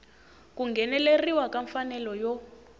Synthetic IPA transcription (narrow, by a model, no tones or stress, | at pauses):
kuŋɡʱɛnɛleriwakaɱfanɛlɔjɔ